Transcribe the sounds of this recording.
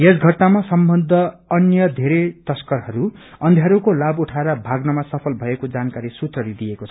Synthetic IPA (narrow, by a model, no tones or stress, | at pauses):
jesɡʱʌʈnamasʌmbʌnd̪ʱʌːnjʌd̪ʱeɾet̪ʌskʌrɦʌɾu | ʌnd̪ʱjaɾukolabuʈʰaeɾʌbʱaɡnʌmasʌpʰʌlbʱʌekod͡zankaɾisut̪rʌlid̪ijekot͡sʰʌʌ